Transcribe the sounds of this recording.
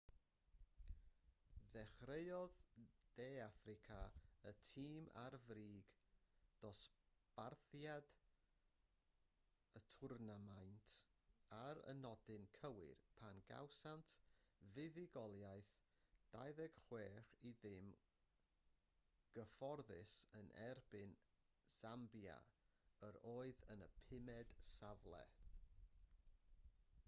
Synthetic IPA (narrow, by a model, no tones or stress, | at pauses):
ðɛχreɨɔðd̥eːafrɪkʰaətʰiːmʔa̰rvriːɡd̥ɔsb̥arθjad | ətʰʊrnamajntʰaɾə̰nɔdɪnkʰəwɪ̰rpʰanɡa̰wsantʰvɪðɪɡɔlˠjajθ | d̥ajðɛɡ̥χweːriðɪm | ɡ̥əfɔrðɪsənʔɛrbɪn | z̥ambja̰əɾoːɨðənəpʰɪmɛd̥savlˠɛ̰